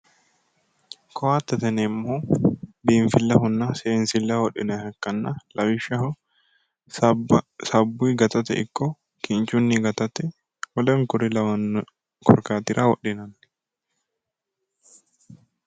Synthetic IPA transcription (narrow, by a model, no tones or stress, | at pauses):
kʰɔwaːt̪ːɐt̪ɐnɛmːoːbiːɱfɪlːɐɦʊnːɐseːnsɪlːɐwɔɗːɪ̰nɐhɐkːɐnːɐlʔɐwɪʃːɐ | sɐbːʊjɡɐt̪ɐt̪ɛ̰ʔɪ̰kːɔ | kɪnt͡ʃːʊnːɪɡɐt̪ɐt̪ɛ | wɔlɐŋkʊɾɪlɐwɐnː | kɔ̰ɾkaːt̪ɪɾʔɐwɔ̰ɗːɪnɐn